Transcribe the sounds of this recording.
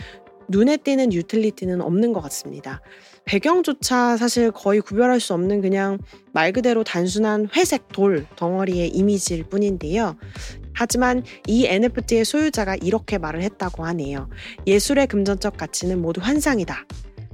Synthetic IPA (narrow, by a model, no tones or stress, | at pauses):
nune̞t͈enɯnjutʰiʎːitʰinɯnʌ̰mnɯnɡʌk͈as͈ɯmɲida | pe̞ɡjʌŋd͡ʑot͡ɕʰas̬ʰaɕʰiɭkʌikubjʌɾɦaɭs͈uʌmnɯnkɯɲaŋmaɭɡɯde̞ɾotans̬ʰunanɸwe̞sʰe̞k̚t͈oɭtʌŋʌɾie̞ʔimid͡ʑiɭp͈uɲinde̞johad͡ʑimanie̞nepʰɯtʰiesʰojud͡ʑaɡaʔiɾʌkʰe̞maɾɯɭhe̞t̚t͈aɡohane̞joje̞sʰuɾe̞kɯmd͡ʑʌnt͡ɕ͈ʌk̚k͈at͡ɕʰinɯnmoduɸwansʰaŋida